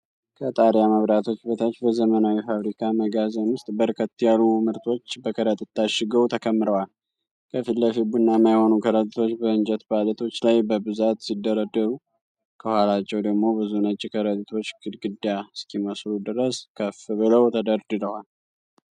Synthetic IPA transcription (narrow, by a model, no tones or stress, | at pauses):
kʰət̪ʼaɾjaməβɾat̪ʰo̞t͡ʃːbət̪ʰat͡ʃːbəzəmənawifaβɾikʰaməɡazənwʊst̪ʼbəɾkʰət̪ːjalumɨɾt̪ʰo̞t͡ʃːbəkʰəɾət̪ʼɨt̪ːaʃɪɡəwt̪ʰəkʰəmːɨɾəwal | kʰəfilːəfibunːamajho̞nukʰəɾət̪ʼit̪ʰo̞t͡ʃːbəɨnd͡ʒət̪balət̪ʰo̞t͡ʃːlajbəbɨzat̪sid̪ːəɾəd̪ːəɾu | kʰəhʷalat͡ʃːɛwd̪əɡmo̞bɨzunət͡ʃʼːikʰəɾət̪ʼt̪ʰo̞t͡ʃːɡɨd̪ɡɨd̪jaskʰiməslud̪ɨɾəskʰəfɨβɨləwt̪ʰəd̪əɾd̪ɨɾəwal